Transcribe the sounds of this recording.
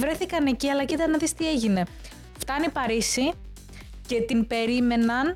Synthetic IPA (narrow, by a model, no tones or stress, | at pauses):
vɾe̞θikɐne̞ciɐlɐcit̪ɐnɐðist̪ie̞ʝine̞ | ft̪ɐnipɐɾisi | ce̞t̪inpe̞ɾime̞nɐn